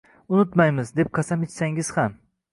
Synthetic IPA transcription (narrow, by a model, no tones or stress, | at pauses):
ʊnʊt̪majmɪzd̪e̞p̚qʰasamet͡ʃsaŋɪz̥ham